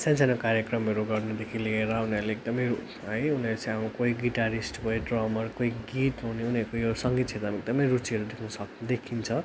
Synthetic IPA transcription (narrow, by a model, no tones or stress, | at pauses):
sensanʌkaɾjekrʌmʌɾuɡʌrnʌd̪ekʰilieɾʌunʌɾleek̚d̪ʌmʌju | ɦʌjunʌɾut͡sãamukoiɡiʈaɾisʈkoiɖrʌmʌrkoiɡitɦuneuniʌɾkojosʌŋɡit̪̚sʰet̪amek̚d̪ʌmʌjɾut͡siʌɾud̪ekʰnʌsʌkd̪ekʰint͡sʰʌ